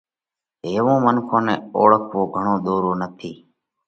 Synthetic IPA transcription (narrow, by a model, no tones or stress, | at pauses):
ɦeːʋõːmənkʰõːnẽːo̰ːɭəkʰʋoːɡʱəɳ̃õːɗ̪oːɾoːnət̪ʰiː